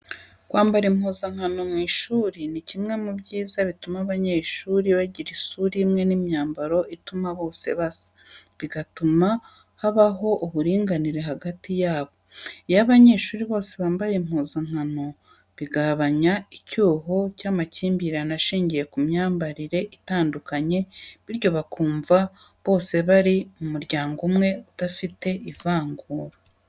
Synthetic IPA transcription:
kwaːmbaɾim̥huːzaŋ̥ano̞mŋwiːʃuːɾinicimŋe̞mubɟiːzaβitumaβaɲe̞ʃuːɾiβaɟiɾiʃuɾimŋe̞nimjɲaːmbaɾo̞ʔitumaβo̞ːse̞̰βasḁ | βiɡatuma | haβaɦo̞ʔuβuɾiːŋɡaniɾe̞ɦaɡatijaːβo̞jaβaɲe̞ːʃuɾiβo̞ːse̞βaːmbajem̥huːzaŋ̥hano̞ | βiɡaβaɲaicuːɦocaːmaciːmbiɾanaʃiːɲɟije̞kumɲaːmbaɾiɾe̞ʔitaːndukaɲe̞βiɾjo̞βakuːɱva | βo̞ːse̞βaɾimumuɾɟaːŋɡumŋe̞utafite̞ʔivaːŋɡuːɾa

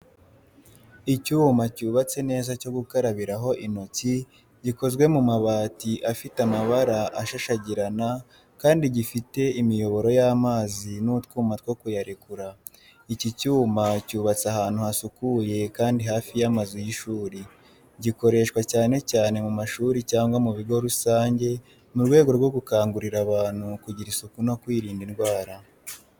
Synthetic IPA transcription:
icuːmacuːβat͡se̞ne̞ːzaco̞ɡukaɾaβiɾaɦo̞ʔinoci | ɟiko̞zɡwe̞mumaβaːtiʔafitamaβaɾaʔaʃaʃaɟiɾana | kaːndiɟifite̞imijo̞βo̞ɾo̞jaːmaːzinutkuːmat̚wokujaɾekuɾa | icicuːmacuːβat͡sahaːn̥huhasukuje̞kaːndiɦaːfijamazujiʃuːɾi | ɟiko̞ɾe̞ʃkwacaːne̞caːne̞mumaʃuːɾicaːŋɡwamuβiɡo̞ɾusaːɲɟe̞ | muɾɡwe̞ːɡo̞ɾɡwo̞ɡukaːŋɡuɾiɾaβaːn̥hukuɟiɾisukuno̞kwiːɾiːndinɡwaːɾa

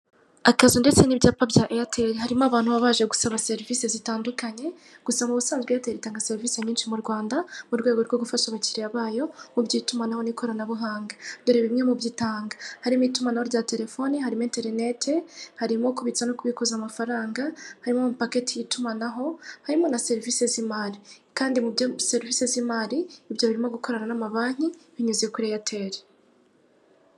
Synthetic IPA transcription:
akazunde̞t͡se̞nibɟaːpabjaʔejatʰe̞ɾehaɾimoaβaːn̥huβaβaːʒeɡu̥saβase̞ɾiviːse̞zitaːndukaɲe̞ɡ̥usamuβusaːnzɡwejateɾitaːŋɡase̞ɾiviːse̞ɲiːnʃimuɾɡwaːndamuɾɡwe̞ːɡo̞ɾɡoɡufaʃaβaciɾiaβaːjo̞mubɟiːtumanaho̞niko̞ɾanaβuɦaːŋɡadoɾeβimɲe̞mubɟitaːŋɡahaɾimuitumanaho̞ɾɟaːte̞ɾe̞fo̞nihaɾimoeːnte̞ɾne̞tʰehaɾimo̞kuβit͡sanokuβikuzamafaɾaːŋɡahaɾimo̞mupake̞tijitumanaɦo̞haɾimo̞nase̞ɾivisezimaɾikaːndimuseɾivisezimaɾiibjo̞βiɾimo̞ɡuko̞ɾananamaβaːɲ̥iβiɲuzekuɾejatʰe̞ɾe

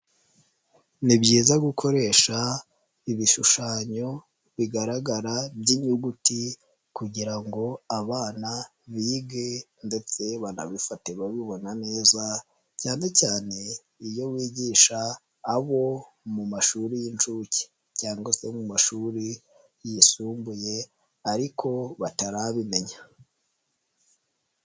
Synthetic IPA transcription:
nibɟiːzaɡukʰo̞ɾe̞ːʃa | iβiʃuʃaːɲo̞ | βiɡaɾaɡaɾabɟiɲuɡuti | kuɟiɾaŋɡo̞aβaːna | βiːɡe̞nde̞t͡se̞βana̰βifate̞βaβiβo̞nane̞ːza | caːne̞caːne̞ | ijo̞wiːɟiːʃaː | βo̞ | mumaʃuːɾijint͡ʃuci̥ | caːŋɡwase̞mumaʃuːɾi | jisuːmbuje̞ | aɾikʰo̞βataɾaβime̞ɲa

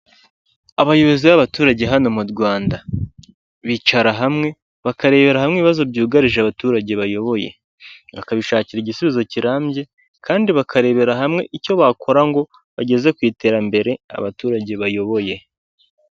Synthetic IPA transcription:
aβajo̞βo̞ziβaβatuːɾaɟe̞ɦano̞muɾɡwaːnda | βit͡ʃaɾaɦamŋe̞ | βakaɾe̞ːβe̞ɾahamŋiβiβazo̞bɟuːɡaɾiʒeaβatuːɾaɟeβajo̞βo̞je̞̰ | βakaβiʃaːciɾiɟisuβizo̞ciɾaːmbje̞ | kaːndiβakʰaɾe̞ːβe̞ɾaɦamŋe̞ʔico̞βakʰo̞ɾaŋɡo̞ | βaɟe̞ze̞kwiːte̞ːɾambe̞ɾe̞a̰βatuːɾaɟe̞βajo̞βo̞je̞

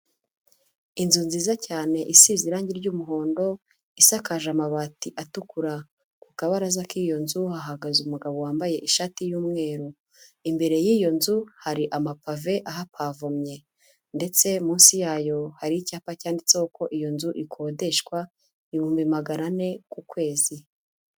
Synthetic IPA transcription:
inzunziːzacaːne̞ʔisiziɾaːɲɟiɾɟuːmuɦo̞ːndo̞ | isakaʒamaβaːtiʔatukuɾa | ku̥kaβaɾazakiːjo̞nzuhaɦaɡazumuɡaβo̞waːmbaje̞ʔiʃatijuːmŋe̞ːɾu | imbe̞ɾe̞jiːjo̞nzuhaɾiʔamapave̞ʔaɦapʰaːvomɲe | nde̞t͡se̞muːnsijaːjo̞haɾiicaːpacaːndit͡seuko̞ʔijo̞nzuʔikʰo̞ːde̞ʃkwa | iβuːmvimaɡaɾane̞kukwe̞ːzi

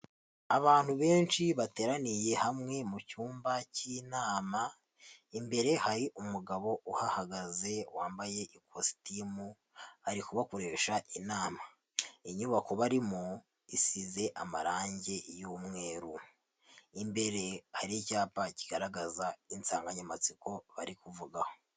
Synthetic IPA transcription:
aβaːn̥huβe̞ːnt͡ʃiβate̞ːɾanije̞hamŋe̞mucuːmbaciːnaːma | imbe̞ɾe̞haɾiʔumuɡaβo̞ʔuhahaɡaze̞waːmbaje̞ʔikʰosi̥timu | haɾikuβakoɾe̞ːʃaʔinaːma | iɲuβako̞βaɾimu | isize̞ʔamaɾaːɲɟe̞jumŋe̞ːɾu | imbe̞ɾe̞haɾicaːpaci̥ɡ̥aɾaɡazaint͡saːŋɡaɲamat͡siko̞βa̰ɾikuvuɡaho̥

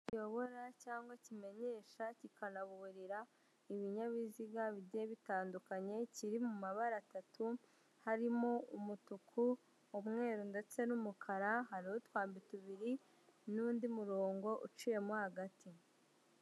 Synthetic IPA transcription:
cijo̞βo̞ɾacaːŋɡwacime̞ɲe̞ːʃacikanaβuuɾiɾa | iβiɲaβiziɡaβiɟe̞βitaːndukaɲe̞ciɾimumaβaɾatatu | haɾimoumutukʰu | omŋe̞ːɾunde̞t͡se̞numukʰaɾaɦaɾihotwaːmbituβiɾi | nuːndimuɾo̞ːŋɡo̞ʔut͡ʃuje̞mohaɡatʰi

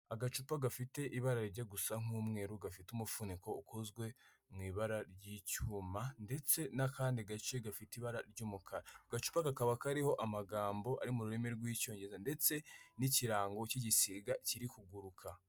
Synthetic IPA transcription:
aɡat͡ʃupaɡafite̞ʔiβaɾaɾɾɟaɡusaŋ̥umŋe̞ːɾuɡafitumufuniko̞ukʰozɡwe̞ | mŋiːβaɾaɾɟicuːmande̞t͡se̞nakaːndiɡat͡ʃeɡafitiβaɾaɾɟuːmukʰaɾaaɡat͡ʃu̥pakakaβakaɾiho̞ʔamaɡaːmbo̞ʔa̰ɾimuɾuɾemeɾɡwiːco̞ːɲɟezande̞t͡se̞niciɾaːŋɡo̞ciɟisiɡaciɾikuɡuɾukʰa

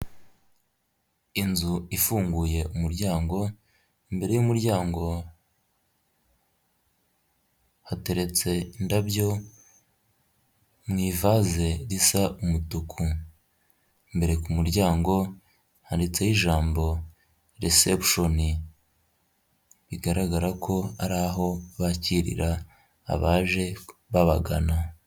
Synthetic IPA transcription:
inzuifuːŋɡuje̞ʔumuɾɟaːŋɡo̞ | imbe̞ɾe̞jumuɾɟaːŋɡo̞ | hate̞ɾe̞t͡se̞indabjo̞ | mŋiːvaze̞ɾisaʔumutukʰu | mbe̞ɾe̞kumuɾɟaːŋɡo̞ | handit͡se̞jiʒaːmbo̞ | ɾesepʃo̞ni | βiɡaɾaɡaɾakʰo̞a̰ɾaːɦo̞βaciɾḭɾa̰ː | βaːʒe̞βaβaɡana

